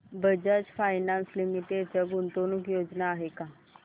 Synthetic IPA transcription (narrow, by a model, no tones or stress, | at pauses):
bəd͡ʑat͡sfajnanslimiʈet͡ɕjaɡunt̪onukjod͡znaːɦeka